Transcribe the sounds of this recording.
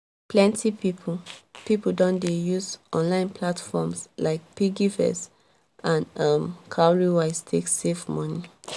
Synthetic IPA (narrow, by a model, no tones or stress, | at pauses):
plɛ̃ntʰipipʰupipul̩dɔ̃ndejuzʔɔ̃nlãɪ̃npʰlatfɔmslaɪk̚piɡifɛ̰s | ãnʌmkʰaɹiwaɪstʰeksefmɔni